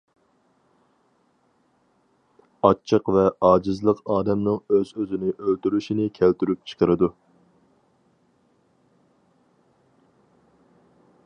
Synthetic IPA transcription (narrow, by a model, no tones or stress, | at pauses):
ɑt͡ʃʰːəqvɛʔɑːd͡ʒɪzlˠəqɑːd̪ɛmnɨŋøzøzɪnɪʔølt̪yɾyʃinɪkʲʰælt̪yɾyp̚t͡ʃʰə̥qʰəɾɨd̪u